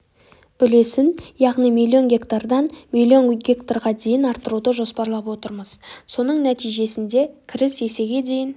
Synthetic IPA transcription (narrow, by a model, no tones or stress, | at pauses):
b̥ʏle̞sɪnjɑʁnijmilʲˠːio̞nɡʲe̞kt̪ard̪ɑnmilʲio̞nɡʲe̞kt̪aɾʁɑd̪e̞jɪnɑɾt̪ːəɾud̪əʒo̞spɑɾlˠɑpwo̞t̪əɾməz̥so̞nəɴnæt̪ijʒe̞sɪnd̪e̞kʲʰɪɾɪse̞se̞ɡʲe̞d̪e̞jɪn